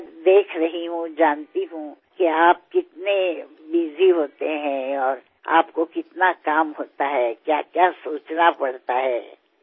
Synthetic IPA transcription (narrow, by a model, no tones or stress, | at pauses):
d̪eːkʰɾɐɦiɦũd͡ʒaːnt̪iɦũkiaːp̚kɪt̪ne | biːziɦoːt̪eɦɛ̃ɔːɾ | a̰ːpkokɪt̪nakaːmɦoːt̪aɦɛkjaːkjaːsuːt͡ʃnapɐɽt̪aɦɛː